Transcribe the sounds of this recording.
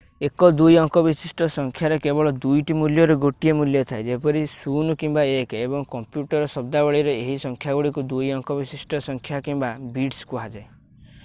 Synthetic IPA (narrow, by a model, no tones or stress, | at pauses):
ekɔd̪ujɔŋkɔbisisʈɔsɔŋkʰjaɾekebɔɭɔd̪ujʈimuljɔɾɔɡoʈiemuljɔt̪ʰaed͡ʒepɔɾisunkimbaekebɔŋkɔmpjuʈɔɾɔsɔb̚d̪abɔɭiɾeeɦisɔŋkʰjaɡuɽikud̪ujɔŋkɔbisisʈɔsɔŋkʰjakimbabiɖskuɦad͡ʒae